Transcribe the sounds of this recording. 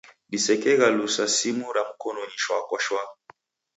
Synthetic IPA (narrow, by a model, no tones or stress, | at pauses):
lisɛkɛɣalusasimuɾam̩kɔnɔɲiʃwakɔʃwa